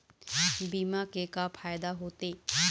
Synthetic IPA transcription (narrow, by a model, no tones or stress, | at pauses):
biːmakekafʰaːjd̪aɦoːt̪eː